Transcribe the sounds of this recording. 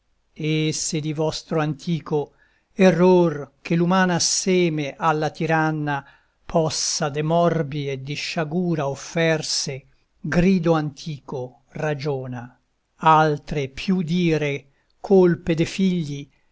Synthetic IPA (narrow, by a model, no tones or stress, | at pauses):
esed̪ivɔst̪ɾoant̪ʰiːko | erorkelumaːnasɛːmeʔalːat̪iɾanːa | pʰɔsːad̪emɔrbied̪iʃːaɡuːɾaofːɛrse | ɡɾiːd̪oant̪ʰiːko | rad͡ʒoːna | alt̪ɾepʰjud̪iːɾe | kʰolped̪efiʎːi